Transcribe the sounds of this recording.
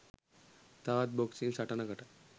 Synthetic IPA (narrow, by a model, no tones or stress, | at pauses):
t̪aʋat̪̚bɔksinsaʈanakaʈa